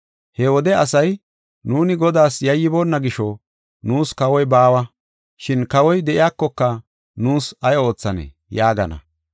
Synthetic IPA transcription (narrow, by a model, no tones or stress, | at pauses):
hɛwɔd̪ɛɐsɐj | nuːnɪɡɔd̪aːsjɐjːɪboːnːɐɡɪʃɔ | nuːskɐwɔjbaːwɐ | ʃɪnkɐwɔjd̪ɛʔɪjaːkːɔkːɐ | nuːsɐjo̞ːt͡sːɐnḛ | jaːɡɐ̰nɐ̰